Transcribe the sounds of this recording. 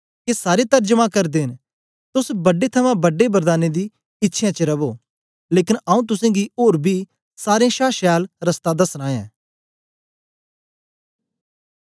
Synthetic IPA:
kesaːɾet̪ɐɾd͡ʒəmãkɐɾd̪eːɦɪn | t̪ʊsbɐɖet̪ʰɐmãbɐɖebəɾd̪aːned̪i | ɪtːʃʰjãt͡ʃəɾɐboː | leːkɪnɐũt̪̬ʊsẽːɡioːɾbʱi | saːɾẽʃaːʃɛːlɾɐst̪ad̪ɐsɾãːɛ̰̃ː

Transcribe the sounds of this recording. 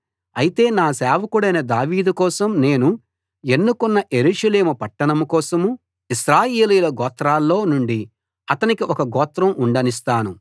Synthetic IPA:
ɐjit̪e̞ːnaːsɛːʋɐkuɽɐjnɐd̪aːʋiːd̪ukɔːsɐmne̞ːnu | e̞nːukunːɐʔe̞ɾuːʂɐle̞ːmupɐʈːɐɳɐmukɔːsɐmu | iʃɾaːjeːlijulɐɡɔːt̪ɾaːlːo̞ːnuɳɖi | ɐt̪ɐnikiʔɔkɐɡɔːt̪ɾɐmuɳɖɐnis̬t̪aːnu

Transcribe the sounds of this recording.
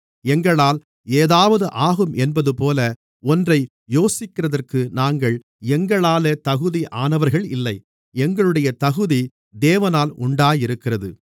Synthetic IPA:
ɛŋɡɐɭaːl | eːðaːʋɐðɯʔaːɣɯmʔɛnbɐðɯpoːlɐ | ɔndrɐɪ | joːsɪkːɪrɐðɐrkɯnaːŋɡɐɭ | ɛŋɡɐɭaːleːt̪ɐɣɯðiʔaːnɐʋɐɾɣɐɭɪlːɐɪ | ɛŋɡɐɭɯɽɐjɐt̪ɐɣɯði | d̪eːʋɐnaːlʊɳɖaːjɪɾɯkːɪrɐðɯ̰

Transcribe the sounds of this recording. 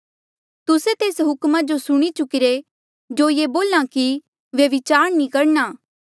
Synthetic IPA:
t̪ʊset̪eːsɦʊkmad͡ʒosʊɽ̃it͡ʃʊkɪɾe | d͡ʒoːjeboːlãki | ʋjɐʋɪt͡ʃaːɾnĩkɐɾnaː

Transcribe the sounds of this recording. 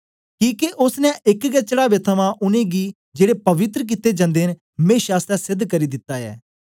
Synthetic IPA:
kiːkeʔʊsnɛ̃ʔɪkɡɛt͡ʃəɽaːʋeːt̪ʰəʋãːʔʊnẽːɡiː | d͡ʒeːɽeːpəʋɪt̪ɾək̬it̪eːd͡ʒãːnd̪eːn | mẽːʃaːst̪ɛːsɪd̪ʱkəɾiːd̪ɪt̪ːaːɛ̰ː

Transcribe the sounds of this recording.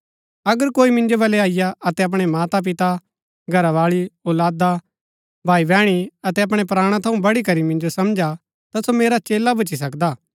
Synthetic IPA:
ɐɡəɾkoːimɪ̃nd͡ʒobɐlɛaːɪjaɐt̪ɛɐp̬ɽ̃emaːt̪ap̬ɪt̪a | ɡʱɐɾaʋaːɭioːlaːd̪a | bʱaːibɛ̃ːɽ̃iɐt̪ɛɐp̬ɽ̃epɾaːɽ̃ãt̪ʰɐũbɐɽikɐɾimɪ̃nd͡ʒosɐmd͡ʒa | t̪asomeːɾat͡ʃeːlabɐt͡ʃis̬ɐkd̪aː

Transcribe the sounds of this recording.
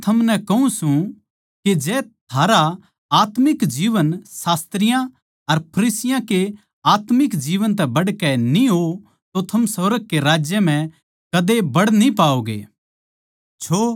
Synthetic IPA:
t̪ʰɐmnɛkɐũsũ | ked͡ʒɛːt̪ʰaːɾa | aːt̪mɪkd͡ʒiːʋənsaːst̪ɾɪjã | ɐɾpʰɐɾiːsɪjãke | aːt̪mɪkd͡ʒiːʋənt̪̬ɛbɐɽkɛnĩɦo | t̪ot̪ʰɐmsoːɾəɡ̚keɾaːd͡ʒjəm̤ɛ̃ | kɐd̪ebɐɽnĩpaːoːɡḛː | t͡ʃʰoː

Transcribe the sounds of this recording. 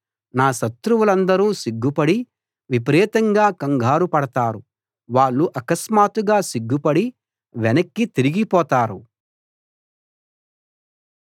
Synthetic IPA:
naːsɐt̪ɾuwulɐnd̪ɐɾuːsiɡːupɐɽi | ʋip̬ɐɾɛːt̪ɐŋɡaːkɐŋɡʱaːɾupɐɽɐt̪aːɾu | ʋaːɭːuʔɐkɐsmaːt̪uɡaːsiɡːupɐɽi | ʋɛnɐkːit̪iɾiɡipɔːt̪aːɾu

